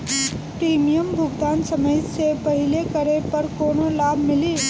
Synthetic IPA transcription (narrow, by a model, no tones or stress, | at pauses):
pɾimijəmbʱʊɡd̪ansəməjsepəɦilekəɾepəɾkonolabʱmili